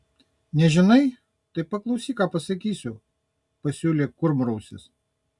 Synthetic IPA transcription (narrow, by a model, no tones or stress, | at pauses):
nʲɛʒʲɪnɐɪ | t̪ɐɪpɐklˠɐʊsʲiːkɑːpɐsɐkʲiːsʲʊ | pɐsʲuːlʲeːkʊɾmɾɐʊsʲɪ̰s